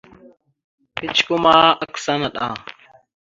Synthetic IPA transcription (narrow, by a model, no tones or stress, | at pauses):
pɪt͡ʃʰkʊmaːəksanəɗ̪ã̰ː